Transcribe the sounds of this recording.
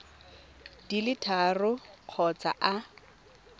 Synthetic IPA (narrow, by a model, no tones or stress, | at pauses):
dilɪtʰarʊq͡χʰɔt͡sa̰ʔa